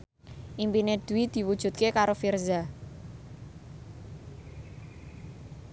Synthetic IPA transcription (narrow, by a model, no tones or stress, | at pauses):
ʔimpined̪̥uid̪̥i̤wud̥ʒ̥ṳt̪̚kekaɾofirza